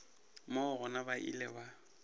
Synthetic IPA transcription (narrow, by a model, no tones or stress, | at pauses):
moʊɣʊnabaʔḭlɛba